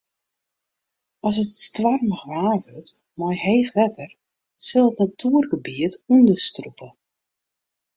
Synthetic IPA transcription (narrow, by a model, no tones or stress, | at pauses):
ɔsətstʋarməxʋaːvøt | mɔjheːxʋɛtʰər | sɪlˠətnatʰuːərɡəbiətundəstrupʰə